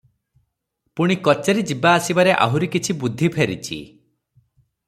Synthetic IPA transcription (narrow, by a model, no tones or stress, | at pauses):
puɽ̃ikɔt͡ʃeɾid͡ʒibaːsibaɾeʔa̰ɦuɾikit͡ʃʰibud̪ʱːipʰeɾḭt͡ʃʰḭ